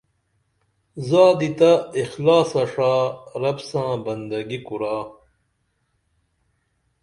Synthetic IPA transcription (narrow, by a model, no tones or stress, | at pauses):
zaːd̪it̪ɐixlaːsɐʂaːɾɐbsãːbɐnd̪ɐɡikuɾaː